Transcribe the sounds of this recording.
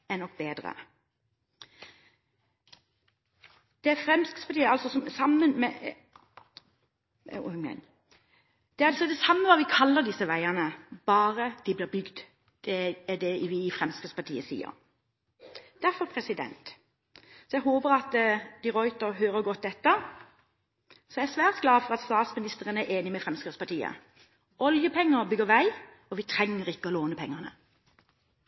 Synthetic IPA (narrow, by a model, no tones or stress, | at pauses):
ɛnɔk̚ːbeːd̪ɾə̰ | d̪̥ɛæɾfɾɛmskə̥spɑʈiːəɑlsɔsɔmsɑmːənmɛ | n | d̪̥ɛɑlsɔd̪ɛsɑmːəʋɑːʋɪkʰɑlːəʁd̪ɪsːəʋæɪənəb̥ɑːɾəd̪̥ɪblɪːʁbʏɡd̪ | d̪̥ɛːd̪ɛʋɪɪfɾɛmskəspɑt̪ʰḭːəsḭːə̰ɾ | d̪̥æɾfɔɾpʰɾɛsɪd̪ɛ̰nt̪ | sɔjɛɡɦoːbəɾɑt̪d̪ɪɾɔʏt̪əɾɦøːɾəɡɔt̪̚d̪ɛt̪ːə | sɔææsʋæːʁt̪ɡlɑːfɔʁɑt̪st̪ɑːt̪smɪnɪst̪əʁənəæʔeːnɪmɛfʁɛmskʁɪt̪spɑʈ̪ʰiːə̰ | ʔɔljəpʰɛŋːəbʏɡəɾʋæɪ | ɔʋɪt̪ʰɾɛŋːəʁɪkːəɔloːnəpʰɛŋːənə